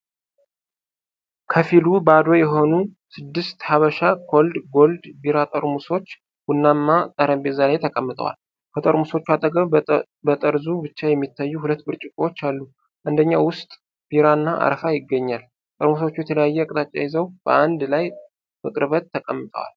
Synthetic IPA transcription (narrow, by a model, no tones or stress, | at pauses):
kʰəfilubad̪o̞jɛɦo̞nusɨd̪ːɨst̪haβəʃakʰo̞ld̪ɡo̞ld̪biɾat̪ʼəɾmuso̞t͡ʃː | wunːamːat̪ʼəɾəmbezalajt̪ʰəkʼəmːɨt̪ʼə̰wa̰l | kʰət̪ʼəɾmuso̞t͡ʃːuat̪ʼəɡəβ | bət̪ʼəɾzubɨt͡ʃːajɛmːit̪ːajːuhulət̪ːbɨɾt͡ʃʼɪkʼowot͡ʃːalːu | ʔand̪əɲːawʊst̪ʼ | b̥iɾanːaʔa̰ɾfajɪɡːəɲːal | t̪ʼəɾmus̬o̞t͡ʃːujɛt̪ʰələjajːɛkʼt̪ʼat͡ʃʼːajɪzəwb̥əʔand̪laj | mɨkʼɨɾβət̪ʰːəkʼəmːɨt̪ʼə̰wa̰l